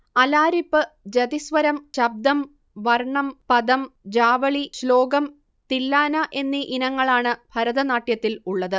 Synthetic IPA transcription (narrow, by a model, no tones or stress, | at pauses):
ɐlaːɾipːɨd͡ʑɐd̪isʋɐɾɐmɕɐb̚d̪ɐm | ʋɐrɳɐmpɐd̪ɐmd͡ʑaːʋɐɭiɕlo̞ːɡɐm | t̪ilːaːnɐʔe̞nːiʔinɐŋːɐɭaːɳɨbʱɐɾɐðɐnaːʈjɐt̪ːiluɭːɐðɨ